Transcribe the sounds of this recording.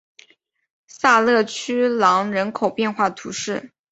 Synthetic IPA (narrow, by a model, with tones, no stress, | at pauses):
sa˥˧lɤ˥˩t͡ɕʰy˥lɑ˧˥ŋɻə˧˥nkʰo˨˩ʊpjɛ˥˧nxwa˥˩t̪ʰu˧˥ʂɻ̩˥˩